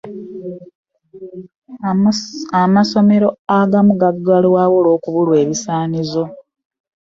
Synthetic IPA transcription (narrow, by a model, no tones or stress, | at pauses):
amaso̞me̞ɾo̞aɡamuɡaɡːalwaːwolo̞ːkuβulwe̞ːβisaːnizo̞